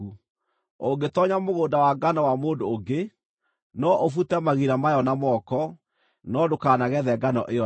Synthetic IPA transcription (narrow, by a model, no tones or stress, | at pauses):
u | oŋɡetɔɲamoɣoːndawaɡanɔwamoːdoːɡe | nɔʔofutɛmaɣiɾamajɔnamɔkɔ | nɔdokaːnaɣɛðɛɡanɔ̰ʔeɔ